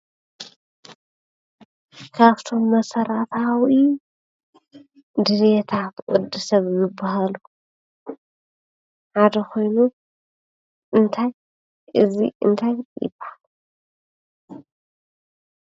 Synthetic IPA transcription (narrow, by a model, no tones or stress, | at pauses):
kʰaβt̪ʰo̞mːɐsɐɾat̪ʰawi | d̪ɨɾet̪ʰat̪ʔʼɔd̪ɨsɐβjɪbːaɦalu | ħad̪ɐkʰo̞jnu | ʔɨnt̪ʰaj | ʔɨziʔɨnt̪ʰajjɪ̰b̥ːaħal